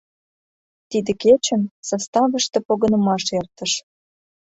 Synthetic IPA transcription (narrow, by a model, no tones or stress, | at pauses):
t̪id̪ə̆ket͡ɕə̆msɑst̪ɑvəʃt̪ĕpoɣə̆nə̆mɑʃert̪ə̆ʃ